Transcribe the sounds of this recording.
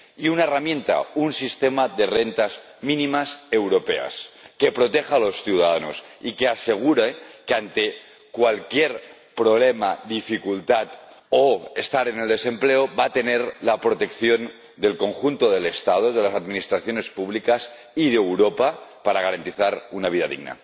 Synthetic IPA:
iunaeramjẽnt̪a̰unsist̪emaðerent̪az | mĩnĩmase̞wɾo̞pe̞̰a̰ske̞pɾo̞t̪exalo̞sθiwðaðanosikease̞ɣ̞uɾekant̪e̞ | kwalkjeɾ | pɾo̞β̞lemaðifikult̪at̪ | oest̪aɾene̞ld̪e̞se̞mpleoβat̪e̞neɾlapɾot̪e̞kθjo̞n | d̪e̞lko̞ŋxunt̪oð̞e̞le̞st̪að̞oðelasaðminist̪ɾaθjo̞ne̞spuβ̞likas | ið̞eewɾopapaɾaɣ̞aɾant̪iθaɾunaβiðaðḭɣna̰

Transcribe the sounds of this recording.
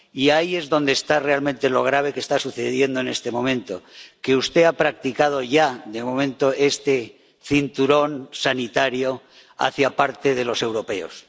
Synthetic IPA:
iaie̞zðo̞nd̪eːst̪are̞almẽnt̪e̞lo̞ɣ̞ɾaβ̞e̞kest̪asuθeð̞je̞nd̪one̞st̪e̞mõ̞mẽ̞nt̪o̞̰ke̞ust̪e̞apɾak̚t̪ikað̞o̞ʝaðe̞mõ̞mẽ̞nt̪o̞ʔe̞st̪e̞ | θint̪uɾo̞nsanit̪aɾjo̞ | a̰θjapaɾt̪e̞ð̞e̞lo̞se̞wɾo̞pe̞o̞̰s

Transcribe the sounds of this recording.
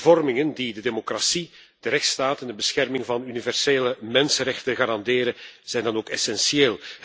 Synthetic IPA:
vɔrmɪŋəndidədemokrasi | d̥əɾɛxtstaːtɛndəbəsxɛrmɪŋvɑnynivɛrseːləmɛnsənrɛxtənɣaːɾɑndeːɾəz̥ɛjndɑnoːkɛsɛnsieːlˠ

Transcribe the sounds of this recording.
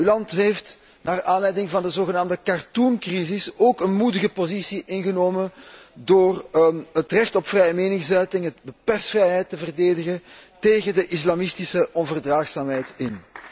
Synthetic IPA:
ylɑntɦeːft | naːraːnlɛjdɪŋvɑndəzoːɣənaːmdəkartunkrizɪsoːkənmudəɣəpozisiʔɪnɣənoːməndoːrɦətrɛxtɔpfrɛjəmeːnɪŋsœɥtɪŋət̚bəpɛrstfrɛjɦɛjtːəvərdeːdəɣənteːɣəndəʔislɑmɪstisəʔɔnvərdraːxsaːmɦɛjtɪn

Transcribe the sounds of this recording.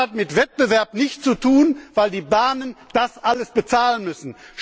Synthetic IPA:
atmɪtv̥ɛt̚b̥əvɛɐpnɪçt͡sutʰuːnv̥aɪldiːbaːnənd̥asʔaləsb̥ət͡saːlənmʏsn̩ʃ

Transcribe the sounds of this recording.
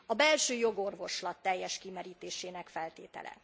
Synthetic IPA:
ɒbɛlʃøːjo̞ɡo̞rvo̞ʃlɒt̪ːɛjːɛʃkimɛɾiːt̪eːʃeːnɛkfɛlt̪ḛːt̪ɛ̰lʔɛ̰

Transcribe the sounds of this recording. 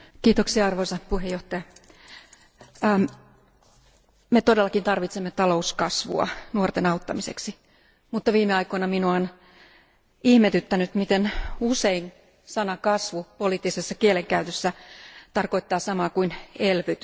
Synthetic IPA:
kiːt̪oksiɑɑrʋoisɑpuhejoht̪ɑjɑ | met̪odelːɑkint̪ɑrʋit̪semːet̪ɑlouskɑsʋṵɑ̰nuort̪enɑut̪ːɑmisḛksi | mut̪ːɑʋiːmeɑikoinɑminoon | ihmet̪yt̪ːænyt̪mit̪enusein | sɑnɑkɑsʋupoliːt̪ːisesːɑkieleŋkæyt̪øsːæt̪ɑrkoit̪ːɑːsɑmɑːkuinelʋyt̪

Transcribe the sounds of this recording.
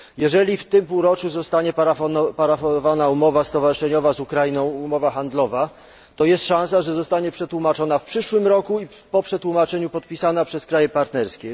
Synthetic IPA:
jɛʐɛlʲift̪ɘmpuwɾɔt͡ʂuzɔst̪aɲɛpapaɾafɔvanaumɔvast̪ɔvaʐɨʂɛɲɔvazukɾajinɔ̃w̃umɔvaxand̪lɔva | t̪ɔjɛst̪ʂãw̃saʐɛzɔst̪aɲɛpʂɛt̪wumat͡ʂɔnafpʂɘʂwɘmɾɔkui | pɔpʂɛt̪wumat͡ʂɛɲupɔt̪̚pʲisanapʂɛskɾajɛpaɾt̪nɛɾskʲɛ

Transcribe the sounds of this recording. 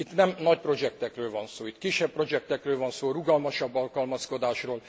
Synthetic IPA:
it̪nɛmnɒc̚pro̞d͡ʒɛk̚t̪ɛkrøːlvɒnsoːit̪kiʃːɛppro̞d͡ʒɛk̚t̪ɛkrøːlvɒnsoːruɡɒlmɒʃɒbːɒlkɒlmɒsko̞d̪aːʃroːl

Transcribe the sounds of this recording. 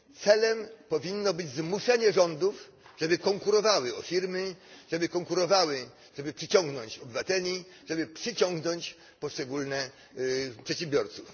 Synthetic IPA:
t̪sɛlɛmpɔvʲinːɔbɘd͡ʑzmuʂɛɲɛʐɔnd̪uf | ʐɛbɘkɔŋkuɾɔvawɘɔfʲiɾmɘʐɛbɘkɔŋkuɾɔvawɘ | ʐɛbɘpʂɘt͡ɕɔ̃ŋɡnɔɲt͡ɕɔbɘvat̪ɛlʲi | ʐɛbɘpʂɘt͡ɕɔŋɡnɔɲt͡ɕ | pɔʂt͡ʂɛɡulnɛ | pʂɛtɕɛmbʲjɔɾt̪suf

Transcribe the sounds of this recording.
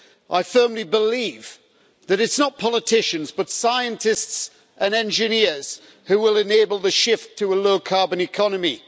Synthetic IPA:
ʔaɪfɜ˞mlibɪliːv | ðɨɾɨtsnət̚pʰɑlˠətʰɪʃɨ̃nzbʌtsaɪɨ̃ntʰɪsts | ʔə̃nɛ̃nd͡ʒɪnɪɹz̥ | hʉwɪlˠɪ̃neɪbəlˠðəʃɪftʰəəloʊkʰɑɹbɨ̃nɨkʰɑnəmi

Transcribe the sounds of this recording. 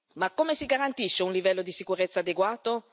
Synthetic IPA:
makːomesiɡaɾant̪iʃːeunlivɛlːod̪isikuɾet̪sːaːd̪eɡwaːt̪o

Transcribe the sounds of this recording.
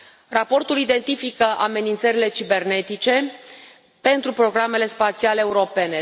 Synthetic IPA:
rapo̞rt̪ulid̪e̞nt̪ifikəʔame̞nint̪səɾile̞t͡ʃibe̞rne̞t̪it͡ʃe̞ | pe̞nt̪ɾupɾo̞ɡɾame̞le̞spat̪sialeːuɾo̞pe̞ne

